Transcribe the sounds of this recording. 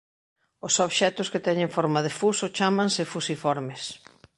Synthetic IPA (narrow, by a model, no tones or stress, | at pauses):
ʊsoβʃɛt̪ʊskɪt̪ɛɲẽŋfɔɾmaðefusʊt͡ʃamãŋsɪfusifɔɾmɪs